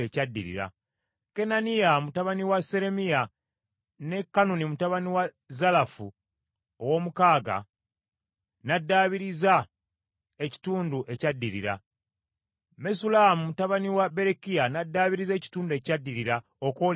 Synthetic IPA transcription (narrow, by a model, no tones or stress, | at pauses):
ecadːiɾḭɾa̰ | ke̞nanijamutaβaniwase̞ɾe̞mija | ne̞kːanunimutaβaniwa | zalafu | owo̞mukaːɡa̰ | nadːaːβiɾiza | e̞ci̥tuːnduʔe̞cadːiɾḭɾa̰ | mesulamumutaβaniwabe̞ɾekijanadːaːβiɾize̞ːci̥tuːndue̞cadːiɾiɾa | okoːl